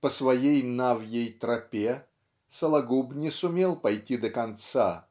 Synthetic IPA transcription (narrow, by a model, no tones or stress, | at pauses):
pəsvɐjejnavjəjt̪ɾɐpʲe | səlˠɐɡubnʲɪsʊmʲelˠpɐjtʲid̪əkɐnt̪sa